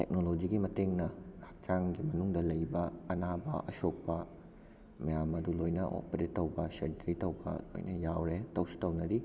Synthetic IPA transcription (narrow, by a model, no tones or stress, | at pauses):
tḛk̚nolod͡ʒiɡimɐteŋnɐhak̚t͡ʃaŋɡimɐnuŋdɐlɐjbɐɐnabɐ̰ʔɐsok̚pɐ | mɐjamɐdulojnɐʔo̰peɾetːɐwbɐseɾtɾitɐwbɐ̰o̰jnɐjawɾetɐwsi̥tɐwnɐɾi